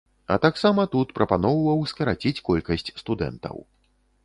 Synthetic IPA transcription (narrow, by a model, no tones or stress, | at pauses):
ɐ̰t̪aksamɐt̪ut̪pɾʔɐpanɔvɐvɐwskɐɾat͡sʲit͡sʲkɔlʲkɐsʲt͡sʲst̪ud̪ɛ̰nt̪ɐ̰w